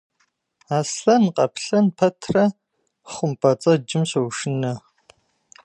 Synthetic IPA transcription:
aːsɬɐnqʼɐpɬɐnpʰɐtʰrɐ | χʷʊmpʼɐt͡sʼɐd͡ʒɪmɕɐwʃɪnɐ

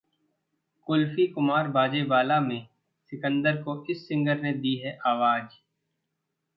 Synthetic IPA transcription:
kʊlfikʊmaːɾbaːd͡ʒebaːlamẽ | sɪkə̃nd̪əɾkoʔɪsːɪ̃ŋɡəɾned̪iːɦɛʔaːʋaːd͡ʒ

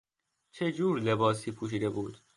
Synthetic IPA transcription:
t͡ʃʰe̞d͡ʒuːɾle̞bɒːsiːpʰuːʃ̬iːd̪e̞buːd̪̥

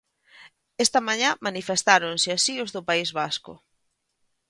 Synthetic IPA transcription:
est̪ɐmaɲamanifest̪aɾonsɪasiozðʊpaizβaskʊ̰

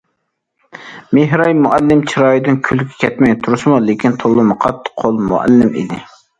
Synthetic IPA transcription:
meɦɾɑjmuʔælːɪmt͡ʃʰiɾɑːjid̪ɪnkʲʰylkʲʰɛ̥kʲʰɛt̪mɛjʲt̪ʰuɾɨsmulɪkʲint̪ʰolˠːʊmʊqʰɑt̪ːɨ̥qʰolˠmṵæ̰lːɪmḭd̪ɪ

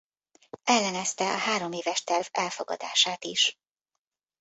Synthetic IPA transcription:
ʔɛlːɛnɛst̪ɛʔɒɦaːɾo̞meːvɛʃt̪ɛrvɛlfoɡɒ̰d̪a̰ːʃaːt̪iʃ

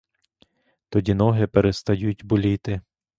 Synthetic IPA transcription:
t̪ɔdʲinɔɦɪpeɾest̪ɐjutʲbʊlʲit̪ɪ

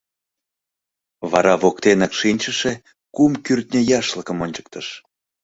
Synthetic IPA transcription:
βɑ̰ɾɑβokt̪enɑkʃinʲt͡ɕə̆ʃe | kumkyrt̪nʲəjɑʃləkə̆monʲt͡ɕə̥k̚t̪əʃ

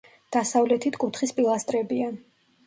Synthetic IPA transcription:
d̪̥asavlɛt̪ʰit̪ʰkʼut̪ʰχispʼilˠast̪ʼɾɛbian

